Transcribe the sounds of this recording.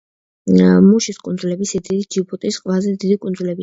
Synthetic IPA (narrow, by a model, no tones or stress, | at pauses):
muʃiskʼund̪zulɛbisɛd̪iɾid͡ʒibut̪ʼisqʼwɛlazɛd̪id̪ikʼund̪zulɛbi